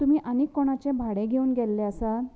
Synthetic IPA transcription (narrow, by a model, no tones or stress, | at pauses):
t̪um̤iːʔanekːoɳ̃at͡ɕebʱaɽẽɡʱeuːnɡɛlːeəsa